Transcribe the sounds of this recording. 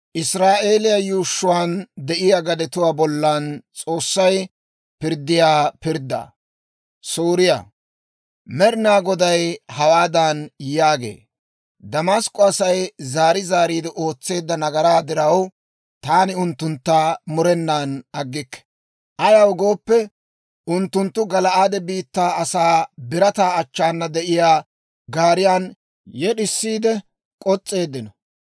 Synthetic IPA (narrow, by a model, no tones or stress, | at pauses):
ʔɪsɾaːʔe̞ːlɪjɐjuːʃːʊwaːnd̪ɛʔɪjaɡɐd̪ɛt̪ʊwaːbɔlːɐnt͡sʼo̞ːsːɐj | pɪɾd̪ːɪjaːpɪɾd̪ːa̰ | soːɾɪja̰ | mɛɾɪnaːɡɔd̪ɐjhɐwaːd̪ɐnjaːɡe̞̰ː | d̪ɐmaskʼːɔɐsɐjzaːɾɪzaːɾiːd̪ɪʔo̞ːt͡sːe̞ːd̪ːɐnɐɡɐɾaːd̪ɪɾɐw | t̪aːnɪʊnt̪ːʊnt̪ːaːmʊɾɛnːaːnɐɡːɪkːɛ̥ | ʔɐjɐwɡo̞ːpːɛ | ʊnt̪ːʊnt̪ːʊɡɐlɐʔaːd̪ɛbiːt̪ːaːɐsaːbɪɾɐt̪aːɐt͡ʃːaːnːɐd̪ɛʔɪjaː | ɡaːɾɪjaːn | jɛɗɪsːiːd̪ɛ | kʼɔt͡sʼːe̞ːd̪ːɪnɔ